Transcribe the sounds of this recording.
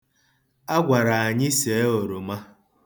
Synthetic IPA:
a˦ɡʷa˨ɾa˨a˨ɲɪ˦se˨e˦o˨ɾo˨ma˦

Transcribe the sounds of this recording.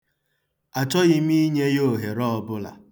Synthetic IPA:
a˨t͡ʃɔ˦ɣɪ˦m˦i˦ɲe˦jo˦˨ɦe˨ɾɔ˦ɔ˨˦bʊ˦la̰˨

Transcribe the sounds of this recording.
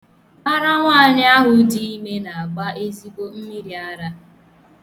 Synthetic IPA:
a˦ɾa˦ŋʷaː˦˨ɲɪ˦a˦ɦʊ˨˦di˦i˦me˦na˨a˨ɡ͡ba˦e˦zi˦bo˦m̩˦mi˦ɾi˨a˦ɾa˦

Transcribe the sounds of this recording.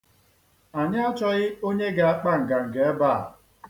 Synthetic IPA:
a˨ɲa˦a˦t͡ʃɔ˦ɣɪ˦o˦ɲe˦ɡa˨a˦k͡pa˦ŋ̩˨ɡa˨ŋ̩˨ɡe˨e˦ba˦˨

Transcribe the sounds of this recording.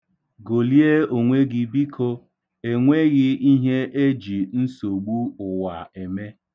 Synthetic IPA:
ɡo˨li˦e˦o˨ŋʷe˦ɡɪ˦bi˦kʰo˦ | e˨ŋʷe˦ɣɪ˦i˦ɦe˦ʔe˦d͡ʒi˨n̩˦so˨ɡ͡bu˦ʊ˨wa˨e˨me˦

